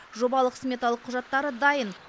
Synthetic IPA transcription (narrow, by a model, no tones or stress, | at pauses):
ʒo̞bɑlˠəqsmʲet̪alˠəqʰːʊʒɑt̪ːɑɾəd̪ɑjən